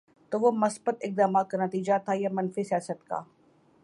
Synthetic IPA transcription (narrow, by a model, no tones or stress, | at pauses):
t̪oːʋomɐsbət̪ɪk̚d̪aːmaːt̪̚kanət̪iːd͡ʒat̪ʰajamɐnfisijaːsət̪ka̰ː